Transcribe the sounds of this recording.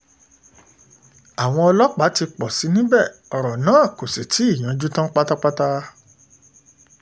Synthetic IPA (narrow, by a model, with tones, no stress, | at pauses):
a˨w̃ɔ̃˧ɔ˧lɔ˦k͡pa˨˦ti˧k͡pɔ˨si˨˦nĩ˦bɛ˦˨ɔ˨ɾɔ˨nãː˨˦˨ko˨se˨tʰi˨˦i˦˨j̃ã˨˦d͡ʒu˦tã˦k͡pa˦ta˦k͡pa˦ta˦